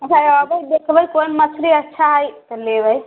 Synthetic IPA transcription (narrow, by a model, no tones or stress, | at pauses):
ət͡ʃʰaəbəjd̪ekʰbəjkojnmət͡ʃʰɾiətːʃʰaɦəjt̪ɔlebəj